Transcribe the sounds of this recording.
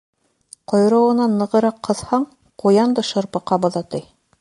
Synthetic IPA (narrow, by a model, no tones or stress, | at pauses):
qŏjɾɤ̆wɤ̆nɑnːɤ̆ʁɤ̆ɾɑqʰːɤ̆ðhɑɴ | qujɑnd̪ɤʃɤ̆ɾpɤ̆qɑbɤ̆ðɑt̪ɤj